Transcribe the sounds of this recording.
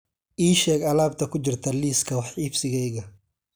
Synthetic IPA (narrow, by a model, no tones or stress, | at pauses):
ʔiːʃɛːɡɐlaːb̚t̪ʰɐkʰʊt͡ʃɪrt̪ʰɐliːskʰɐwɑħiːbsɪɣɛjɣɐ